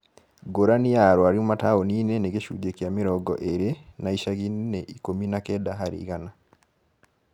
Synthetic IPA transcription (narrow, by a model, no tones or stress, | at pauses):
ɡoɾanijaɾwaɾiomataoniːneneɣeʃṵːɟekjamiɾɔɡɔ̰ʔeɾenaiʃaɣinneʔikominakɛdaɦaɾḭɣana